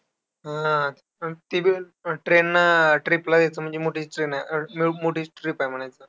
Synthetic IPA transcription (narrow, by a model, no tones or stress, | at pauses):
ɦã | t̪ibi | ʈɾenːaʈɾiplad̪et͡səːm̤əɳd͡ʑemoʈʰiːt͡sʈɾenamimoʈiːt͡ɕʈɾipajm̤əɽ̃ajt͡səː